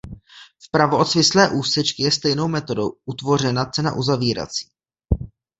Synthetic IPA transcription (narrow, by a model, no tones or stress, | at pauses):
fpɾavoot̪svɪslɛːʔuːsɛt͡ʃkɪjɛst̪ɛjno̞wmɛt̪o̞dowʔut̪vo̞r̝ɛnat͡sɛna̰ʔuzaviːɾa̰t͡si̥ː